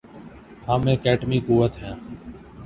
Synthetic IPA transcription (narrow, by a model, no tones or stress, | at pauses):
haːmẽːkeːʈmiːkuːʋət̪ɦɛ̃ː